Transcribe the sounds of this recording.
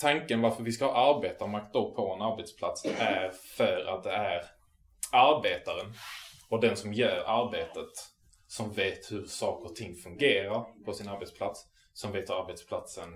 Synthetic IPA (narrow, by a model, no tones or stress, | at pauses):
t̪ʰaŋkənvaɾfəɾvɪskahɑːaɾbeːt̪amak̚t̪̚ɔk̚ːpʰɔɛnaɾbet̪spʰlat̪sæɾfœːɾa̰t̪̚d̪ɛæɾ | aɾbeːt̪aɾənɔd̪ɛnsɔmjœːɾaɾbeːt̪ət̪ | sɔmveːt̪hɵɾsɑːkəɾt̪ʰɪŋːfɵŋɡeːɾaɾpʰɔsɪnaɾbɛt̪spʰlat̪s | sɔmveːt̪hɵɾaɾbet̪spʰlat̪sən